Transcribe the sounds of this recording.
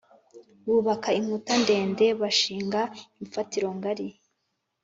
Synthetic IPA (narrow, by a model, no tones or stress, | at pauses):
βuːβakaiŋ̥utande̞ːnde̞βaʃiːŋɡaiɱfatiɾo̞ŋɡaɾi